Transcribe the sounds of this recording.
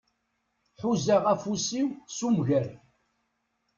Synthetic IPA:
ħuzæʁæfusiwsumʝæɾ

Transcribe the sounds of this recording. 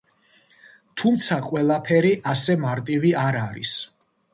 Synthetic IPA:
t̪ʰumt̪sʰaqʼwɛlˠapʰɛɾiʔasɛmaɾt̪ʼiviaɾaɾḭs

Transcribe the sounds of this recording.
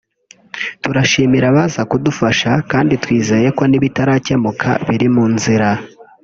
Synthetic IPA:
tuɾaʃiːmiɾaβazakudufaʃakaːnditwiːze̞je̞ko̞niβitaɾaːcemukʰa̰βiɾimuːnziɾa

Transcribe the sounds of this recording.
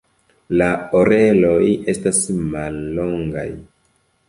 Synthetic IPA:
laoɾe̞lo̞je̞stasmalːo̞ŋɡa̰j

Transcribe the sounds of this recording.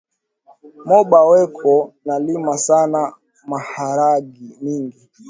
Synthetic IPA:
mɔɓawɛkʰɔnalimasana | mahaɾaɡimiŋɡi

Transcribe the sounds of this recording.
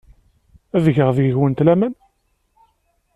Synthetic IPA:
æðʝəʁðəʝəʝwənt̪læmæn

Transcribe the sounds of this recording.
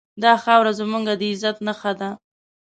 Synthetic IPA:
d̪ɑxɑwɾazəmuŋɡad̪əɪzat̪naxad̪a

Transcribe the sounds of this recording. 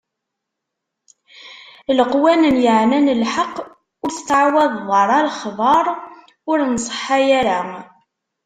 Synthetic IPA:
ləqwænənjəʕnænəlħɑqː | ʊɾθt̪ːəʕwæðˤðˤɑɾˤɑlχðˤɑɾˤ | ʊɾnsˤə̥ħːajæɾæ

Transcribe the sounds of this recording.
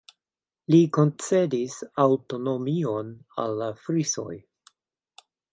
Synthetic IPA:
liko̞nt͡se̞disawto̞no̞miona̰lːafɾiso̞̰j

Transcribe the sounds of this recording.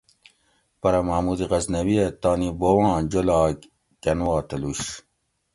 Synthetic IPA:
pɐɾɐmamuːd̪iʁɐznɐwiet̪aːnibowɑ̃ːd͡ʑolɑːk | kɐnwɑːt̪ɐluɕ

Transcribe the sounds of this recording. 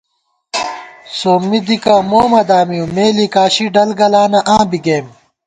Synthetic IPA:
soːmːid̪ikamoːmɐd̪aːmijũmeːlikaːɕiɖɐlɡɐlaːnɐʔãːbiɡeːm

